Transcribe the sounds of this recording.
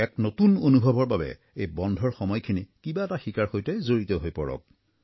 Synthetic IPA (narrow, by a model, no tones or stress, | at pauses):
ɛknotunonubʱɔbɔɹbabɛ̰ | ejbɔndʱɔɹxɔmɔjkʰinikibaɛtaxikaɹxojtɛzoɹitɔɦojpɔɹɔ̰k̚